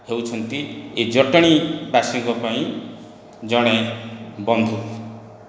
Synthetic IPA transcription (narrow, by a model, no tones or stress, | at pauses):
hewt͡ʃʰʌnt̪ied͡ʒɔʈɔɽ̃ibasiŋkɔpaĩ | d͡ʒɔɽ̃ebɔnd̪ʱu